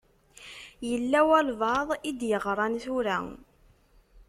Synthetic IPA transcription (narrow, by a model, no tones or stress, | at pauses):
jəlːæwælvɑðˤid̪jəʁɾˤɑnθuɾæ